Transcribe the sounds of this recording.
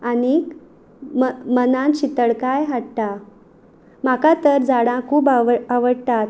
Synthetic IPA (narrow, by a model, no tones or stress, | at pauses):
ani | mmənãnɕit̪əɽkajɦaɽʈ̪a | makat̪əɾd͡zaɽãkʰuːbaaʋəɽt̪at̪